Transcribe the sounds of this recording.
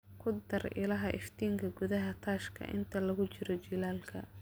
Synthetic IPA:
kʰʊd̪ɐrɪ̰lɐɦɐʔɪ̰ft̪iːŋkʰɐɡʊðɐɦɐt̪ʰaːʃkʰɐ̰ʔɪ̰nt̪ʰɐlɐɣʊt͡ʃɪɾɔt͡ʃilaːlkʰɐ̰

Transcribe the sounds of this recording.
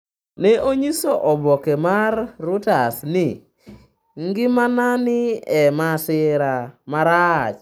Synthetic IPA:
nɛʔoɲisoʔɔbɔkemarːʊtasnɪ | ŋɡɪmananɪɛmasɪɾamaɾat͡ʃ

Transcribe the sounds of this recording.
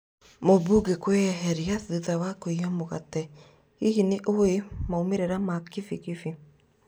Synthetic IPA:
moβuɡekweɦɛɾiaθiðawakoiamoɣatɛ | hihineʔoemaomeɾeɾamakifiɣifi

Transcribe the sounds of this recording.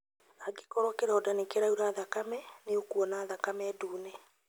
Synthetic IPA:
aɡe̥kɔɾɔkeɾɔdanekeɾauɾaːðakamɛneokuɔnaːðakamɛːduːnɛ

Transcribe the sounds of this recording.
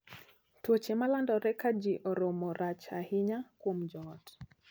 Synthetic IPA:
twot͡ʃemalandɔɾɛkad͡ʒiʔɔɾɔmɔɾat͡ʃa̰hiɲakwomd͡ʒɔt

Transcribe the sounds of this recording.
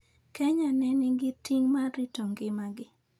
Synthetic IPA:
kɛɲanɛnɪɡɪtiŋmaɾitoŋɡɪmaɡɪ

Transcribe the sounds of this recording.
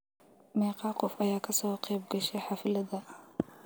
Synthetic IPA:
mɛːqɑːqʊfɐjaːkʰɐsɔːqɛːb̚ɡɐʃɛħɑːfɪlɐdɐ

